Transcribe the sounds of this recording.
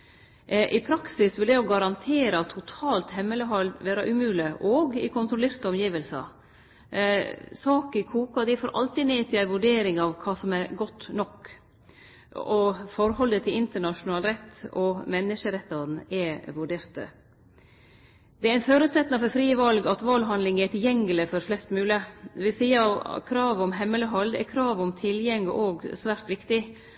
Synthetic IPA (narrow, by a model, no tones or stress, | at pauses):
ʔɪpʰɾɑksɪsʋɪld̪ɛɔɡɑɾɑnt̪ʰeːɾɑt̪ʰʊt̪ʰɑːlt̪hɛmːələɦɑld̪ʋæːɾɑʔʉmʉːlɪʔoːɡɪ̰kʰʊnt̪ɾʊleːɾt̪əɔmjiːʋəlsɑ̰ | sɑːkɪkʰuːkɑd̪æɪfoːɾʔɑ̰lt̪ɪneːt̪ʰɪlæɪʋʉɖeːɾɪŋɑʋkʰɑːsɔmæɾɡɔt̪ːnɔk | ɔfɔɾhɔlːət̪ʰɪlɪnt̪əɳɑʂʊnɑːlɾɛt̪ːɔmɛnːəʂəɾɛt̪ːɑnɛʋʉɖeːɾt̪ə̰ | d̪ɛæɾæɪnføːɾʉːt̪sɛt̪nɑfɔɾfɾiːʋɑlɡɑt̪ʋɑlɦɑnlɪŋæt̪ʰɪljɛŋːələfɔɾflɛst̪mʉːləd̪ɛʋɪlsiːɑkʰɾɑːʋɔmɦɛmːələɦɑld̪ɛ̰kʰɾɑːʋɔmt̪ʰɪljɛŋːəʔoːɡsʋæːɾt̪ʋɪkt̪ɪ